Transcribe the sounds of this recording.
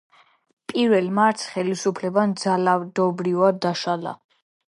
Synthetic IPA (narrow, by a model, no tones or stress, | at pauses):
pʼiɾvɛlˠmaɾt̪sχɛlisupʰlɛband̪zalad̪ɔbɾivad̪ːaʃala̰